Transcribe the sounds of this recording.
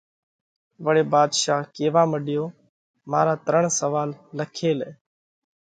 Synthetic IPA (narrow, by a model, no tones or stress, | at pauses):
ʋəɽeːbaːd̪ʃaːɦkeːʋaːməɗɪjoː | ma̰ːɾaːt̪əɾəɳsəʋaːlːəkʰeːlɛː